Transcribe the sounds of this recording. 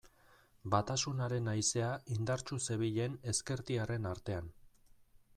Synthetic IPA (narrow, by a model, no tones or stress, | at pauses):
bat̪asunaɾe̞najse̞aʔind̪aɾt͡ʃuse̞β̞iʎe̞ne̞ske̞ɾt̪iare̞naɾt̪e̞an